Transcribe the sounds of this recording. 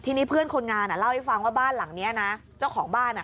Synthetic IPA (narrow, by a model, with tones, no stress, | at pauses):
t̪ʰiː˧niː˦˥˩pʰɯ˥˩ənkʰo˧nŋaː˧nʔa˨˩la˥˩wha˥˩fa˧ŋwaː˥˩baː˥˩nla˨˩˦ŋni˦˥ɐna˦˥ | t͡ɕa˥˩wkʰɔː˩˦ŋbaː˥˩nʔa˨˩